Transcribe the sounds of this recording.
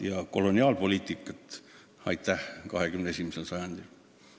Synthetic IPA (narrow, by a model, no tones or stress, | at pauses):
jɑko̞lo̞nʲiɑːlpo̞lʲiːt̪ːˑikːˑɑt̪ | ɑjt̪ːæhkɑ̰ɦe̞kymneesimiselsɑjɑnd̪̥il